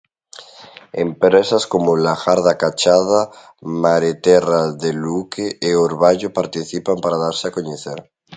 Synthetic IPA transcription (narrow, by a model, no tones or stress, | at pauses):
empɾesaskomolaxaɾðakat͡ʃaða | maɾet̪eraðelukeʔːoɾβaʎopaɾt̪iθipampaɾaðaɾseakoɲeθeɾ